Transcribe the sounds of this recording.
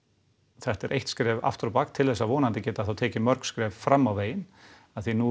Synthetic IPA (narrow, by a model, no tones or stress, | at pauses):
θɛht̪ɛɾʔejht̪skɾɛːva̰ft̪ɾɔpakt̪ʰɪlθɛsːavɔːnant̪ɪcɛːt̪aðθawt̪ʰɛːcɪmœɾkskɾɛːvfɾamːawveːjɪn | aðθinu